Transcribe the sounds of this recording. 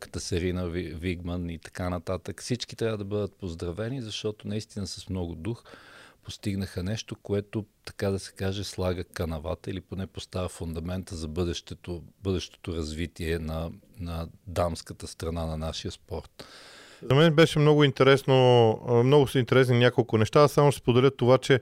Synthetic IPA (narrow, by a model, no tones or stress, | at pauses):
kə̥t̪əsɛɾinəvviɡmənit̪ɐ̥kanɐt̪at̪əkfsit͡ʃkit̪ɾʲavəd̪ɐbɤd̪ət̪̚pozd̪ɾɐvɛnizɐʃt̪ɔt̪onɐist̪inəsɐsmnɔɡʊd̪uxpost̪iɡnəxənɛʃt̪okoɛt̪ot̪ɐ̥kad̪ɐsɛ̥kaʒɛslˠaɡəkɐnɐva̰t̪əiliponɛpost̪avəfʊnd̪ɐmɛnt̪əzɐbɤd̪ɛʃt̪ɛt̪obɤd̪ɛʃt̪o̥t̪oɾɐzvit̪iɛnɐ | nɐd̪amskət̪əst̪ɾɐnanɐnaʃijəspɔɾt̪ | zɐmɛnbɛʃɛmnɔɡʊint̪ɛɾɛsnomnɔɡʊsint̪ɛɾɛs̬ɛnnʲjakolˠkʊnɛʃt̪asamospod̪ɛlʲət̪ːovat͡ʃɛ